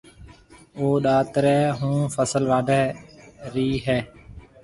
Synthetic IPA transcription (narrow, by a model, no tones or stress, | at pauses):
oːɗaːt̪ɾɛːɦũːfəsəlʋaːɖʱɛ | ɾiːɦɛː